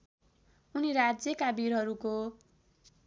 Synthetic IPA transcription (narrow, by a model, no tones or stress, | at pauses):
uniɾad͡zjʌkabiɾɦʌɾuko